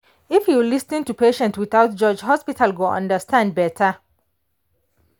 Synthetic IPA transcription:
ifjulisnĩntupʰeʃɛ̃ntwiθaʊt̚d͡ʒɔd͡ʒhɔspitʰalɡoʔʌ̰̃ndəstʰãnd̚bɛtʰə

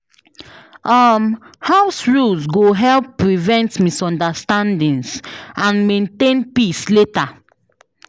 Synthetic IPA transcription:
ɔmhaʊsɹulsɡoɦɛlpːɹivɛ̃ntmisɔ̃ndastãndĩnsãnmẽntẽnpisleta

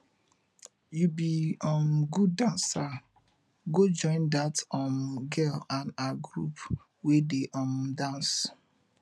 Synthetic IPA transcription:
jubiɔmɡudãnsa | ɡod͡ʒɔ̃ɪ̃ndatɔ̃mɡɛlãnaɡɾṵp | wedeʔɔ̃mdãns

